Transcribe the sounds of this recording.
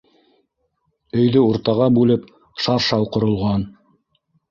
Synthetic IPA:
ɵ̆jðɵuɾt̪ɑʁɑbʉlɘp | ʃɑɾʃɑwqŏɾŏlˠʁɑn

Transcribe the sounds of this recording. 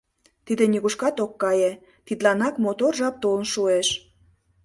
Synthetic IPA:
t̪id̪enʲiɣuʃkɑt̪okːɑjĕ | t̪it̪lɑnɑkmot̪orʒɑp̚t̪olnʃueʃ

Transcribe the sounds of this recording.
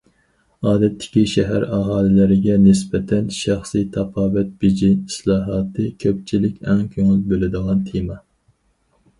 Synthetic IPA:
ɑːd̪ɛt̪ʰːɪ̥kʲiʃɛɦæɾɑɦɑːlɪlɪɾɪɡʲɛnɪsbɛt̪ʰɛnʃæχsijt̪ʰɑpɑːvɛt̪̚b̥id͡ʒiislˠɑːɦɑːt̪ʰɨkʲʰøp̚t͡ʃʰilɪkʲɛŋkʲʰøŋylbølɪd̪əʁɑnt̪ʰemɑ

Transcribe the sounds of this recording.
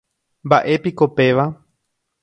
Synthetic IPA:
mbaʔe̞piko̞pe̞ʋa

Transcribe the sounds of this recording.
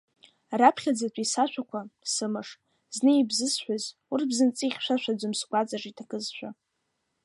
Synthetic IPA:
rapʰχʲad͡zatʷʼisaʃʷᶣakʷʰasɨmɨʂ | znɨibzɨsħʷᶣaz | urbzɨnt͡sʼiχʲʃʷᶣaʃʷᶣad͡zʷʊmsɡʷʼat͡sʼaʈ͡ʂitʰakʼɨzʃʷᶣa̰

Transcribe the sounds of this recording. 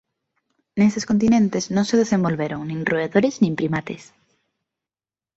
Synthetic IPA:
nest̪eskont̪inẽnt̪eznõŋseðesẽmbolβeɾoŋnĩŋroeðoɾeznĩmpɾimat̪es

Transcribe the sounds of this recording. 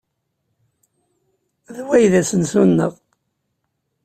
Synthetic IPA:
ðwæjðæsənsunːəʁ

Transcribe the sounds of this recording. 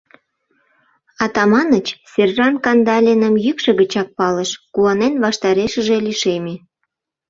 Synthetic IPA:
ɑt̪ɑmɑnət͡ɕsʲerrɑnkɑnd̪ɑlʲenəmjykʃə̆ɣət͡ɕɑk̚pɑləʃkuɑnenβɑʃt̪ɑɾeʃəʒe̽liʃeme

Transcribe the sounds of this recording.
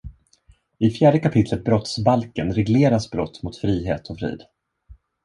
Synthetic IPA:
ɪfjæːɖəkapʰɪt̪ʰlət̪̚bɾɔt̪sbalkənɾɛɡleːɾasbɾɔt̪ːmʊt̪fɾiːɦḛːt̪ʰɔfɾḭːd̪

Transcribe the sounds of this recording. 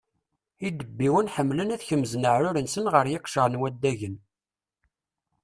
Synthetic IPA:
id̪əbːiwənħəmːlənæθçəmːznəʕɾʊɾənsənʁəɾjɪqʃəʁnwæd̪ːæʝən

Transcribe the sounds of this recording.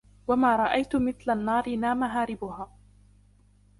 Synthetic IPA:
wamaːɾˤɑʔajt̪ʊmɪθlanːɑːɾɪnaːmaɦaːɾɪbʊhaː

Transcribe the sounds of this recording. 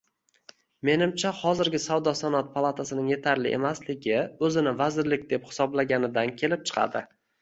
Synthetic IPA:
me̞nɪmt͡ʃʰahɒzɪɾɡʲɪsawd̪ɒsanɒt̪̚pʰalˠat̪ʰasɪnɪŋje̞t̪ʰaɾlɪʔe̞̰maslɪɡʲɪɵzɪnɪvazɪɾlɪk̚ʲd̪e̞phɪ̥sɒblaɡʲanɪd̪ankʲʰe̞lɪp̚t͡ʃʰɨ̥qʰɑ̰d̪ɪ

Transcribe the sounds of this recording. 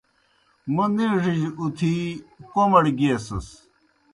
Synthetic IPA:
mɐniʐiʑut̪ʰikomɐɽɡiesɐs

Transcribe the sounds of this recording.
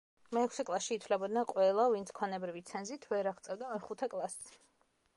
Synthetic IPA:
mɛːkʰsɛkʼlˠasʃiːt̪ʰvlɛbɔd̪naqʼwɛlˠavint̪sʰkʰwanɛbɾivit̪sʰɛnzit̪ʰvɛɾaʁt̪sʼɛvd̪amɛχut̪ʰɛkʼlˠas

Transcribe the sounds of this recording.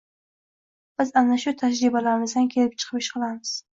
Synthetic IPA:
b̥ɪzanaʃʊt̪ʰad͡ʒɾibalaɾɪmɪzd̪ankʲʰe̞lɪp̚t͡ʃʰɨ̥qʰɨpɪʃqɨlˠamɪz̥

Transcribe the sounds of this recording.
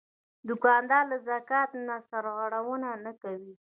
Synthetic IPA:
d̪ʊkɑnd̪ɑlazakɑt̪nasaɾɣəɽawənanakawi

